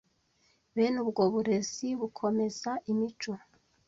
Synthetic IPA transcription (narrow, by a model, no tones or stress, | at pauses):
βenubɡo̞βuɾeziβukʰo̞me̞zaʔimit͡ʃo